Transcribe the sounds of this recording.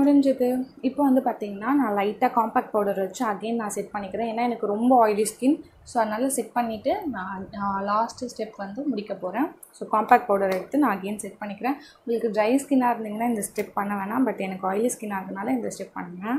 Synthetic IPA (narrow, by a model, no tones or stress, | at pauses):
mʊɽɐɲd͡ʒɐðɯɪpːoːʋɐnd̪ɯpaːɾt̪iːŋɡɐnːaːnãːlɐɪʈːaːkaːmpaːk̚ʈ̚pɐːɽɐɾʋɐt͡ʃːʊ̃ɐɡeːnnãːsɛʈ̚pɐɳːɪkːɪɾẽːeːnːaːɛnɐkːɯɾɔmbɐɔːjɪliskɪn | soːɐðɯnaːlɐsɛʈ̚pɐɳːɪʈːɯnãːlaːsʈsʈɛpːʋɐnd̪ɯmʊɽɪkːɐpoːɾẽː | soːkaːmpaːk̚ʈ̚paːɽɐɾɛɽɯt̪ːɯnãːɐɡeːnsɛʈ̚pɐɳːɪkːɪɾẽːʊŋɡɐɭɐkːɯɖɾɐɪskɪnaːɪɾɯnd̪iːŋɡɐnːaːɪnd̪ɐsʈɛp̚pɐɳːɐʋeːnãːbɐʈːɛnɐkːɯɔːjɪliskɪnaːɾðɯnaːlɐɪnd̪ɐsʈɛp̚ːɐ̰ɳːɯŋŋɡɐ̃